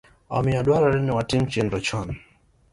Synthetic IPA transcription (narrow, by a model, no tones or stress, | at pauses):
ɔ̰miaɗwaɾaɾiniwatimt͡ʃindɔt͡ʃɔn